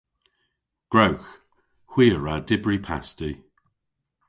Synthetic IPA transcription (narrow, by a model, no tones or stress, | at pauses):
ɡ̥ɹawx | hw̥iːəɹadɪbɹipʰa̰sti